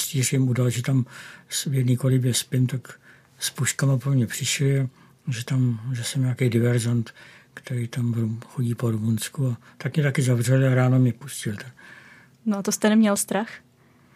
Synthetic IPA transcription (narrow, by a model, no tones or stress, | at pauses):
sc̪iːrjɛmudalʒɛt̪amsvjɛdniːkolɪbjɛspɪnt̪ak | spuʃkamapmɲɛpr̝̥ɪʃlɪa | ʒɛt̪amʒɛsɛmɲaːkejdɪvɛɾzant̪kt̪ɛɾijt̪amvɾuxoɟiːpoɾumunskuat̪akmɛt̪akɪzavrɛlɪaɾaːno̞mɛpuscɪlt̪an | noat̪ost̪ɛnɛmɲɛlst̪ɾax